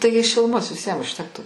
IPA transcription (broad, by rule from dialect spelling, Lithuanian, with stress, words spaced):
ˈtɐɪɡʲɪ ʃʲɪlˠʊˈmoːs ʋʲɪˈsʲiɛm ʊʃʲˈtʲæːktuː